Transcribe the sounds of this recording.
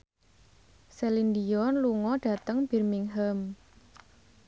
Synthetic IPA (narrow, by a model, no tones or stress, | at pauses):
sɛlind̪iɔnluŋɔɖ̥ä̤t̪əŋb̥ɛ̤rmiŋɦəm